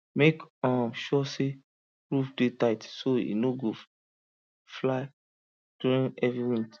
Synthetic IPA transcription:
mekɔ̃ʃɔse | ɹufdetaɪtsoḭnoɡo | flaɪ | d̥uɾĩnɛvɹiɹĩnt

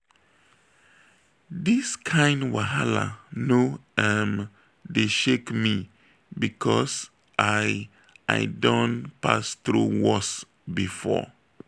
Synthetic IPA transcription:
diskʰãɪ̃ndwaɦala̰noɛm | deʃekmi | bikʰɔs | ʔaɪ | ʔa̰ɪdɔ̃npa̰sθɹṵwɔs | bifɔ̰

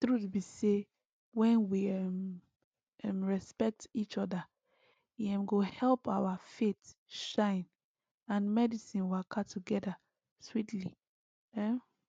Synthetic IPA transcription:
tɹutbise | wɛ̃nwiɛm | ɛmɹɛspɛk̚tit͡ʃɔda | ɛ̃mɡohɛlpaʊwafetʃãɪ̃n | ãnmɛdisĩnwakʰatʰuɡɛda | switli | ɛ

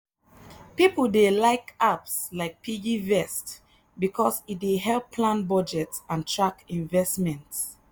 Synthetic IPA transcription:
pipəldelaɪkapslaɪk̚pʰid͡ʒivɛst | bikʰɔsit̚deɦɛlˠpʰːlãnbɔd͡ʒɛtãntʰɹakĩnvɛstmɛ̃nts

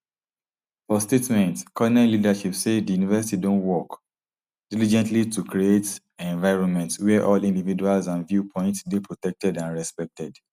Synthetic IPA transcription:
fɔstetmɛ̃ntkʰɔnɛ̃lidaʃipsedijunivɛsitidõntwɔk | d̥ilid͡ʒɛ̃ntlitukɹiet | ɛ̃nvaɪɹɔ̃nmɛ̃ntswɛʔɔlĩndivid͡ʒualzãnvjupʰɔ̃ɪ̃ntsdepʰɹotɛk̚tɛdãnɹɛspɛk̚tɛd

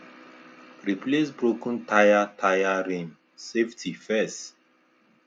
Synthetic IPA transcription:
ɾiplesbɾokɔ̃n̩tʰajatʰajaɾẽm | seftifɛs

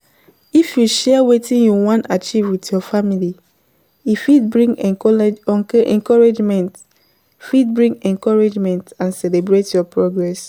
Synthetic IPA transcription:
ifjuʃɛwetĩnjuwɔ̃ntat͡ʃivwitjɔfamili | ifid̚bɹĩŋɡ | ɛ̰̃ŋkɔɹed͡ʒmɛ̃nt | fid̚bɹĩŋɛ̃ŋkɔɹed͡ʒmɛ̃ntãnsɛlebɹetjɔpɹoɡɹɛs

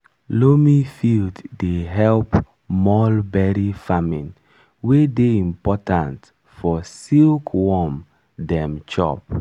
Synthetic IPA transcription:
lomifildːeɦɛlp | mɔlbɛɹifamĩn | wedeĩmpɔtãnt | fɔsilkʰwɔm | dɛ̃mt͡ʃɔ̰p̚

